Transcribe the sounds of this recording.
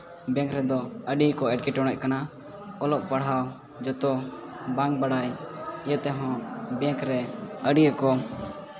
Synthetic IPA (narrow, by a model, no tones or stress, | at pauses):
bɛ̃ŋkʰɾɛd̪ɔəɖikɔɛɖ̚kiʈɔɽ̃ɛc̚kana | ɔlɔʔpaɽ̤ɦaw | d͡ʒɔt̪ɔbãŋk̚baɽajjɛt̪ɛɦɔ̃bɛ̃ŋkʰɾɛəɖijəkɔ